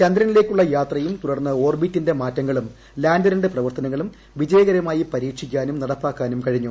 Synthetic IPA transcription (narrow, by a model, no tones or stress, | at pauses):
t͡ɕɐnd̪ɾɐnileːkʲːuɭːɐjaːt̪rɐjumt̪uɽɐrnːɐo̞ːrbitːinde̞maːtːɐŋːɐɭum | laːndɐɾɐɳɖɨprɐʋɐrt̪ɐnɐŋːɐɭum | ʋid͡ʑɐjɐɣɐɾɐmaːjipɐɾiːkʂik̬ʲːaːnumnɐɽɐpːaːkːaːnumkɐɻiɲːu